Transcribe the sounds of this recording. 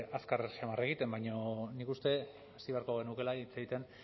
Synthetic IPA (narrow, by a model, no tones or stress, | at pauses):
askaɾʃemare̞ɣ̞it̪e̞mbajɲo̞nikust̪e̞ | asiβe̞aɾko̞ɣe̞nuke̞laiit͡seɣit̪e̞n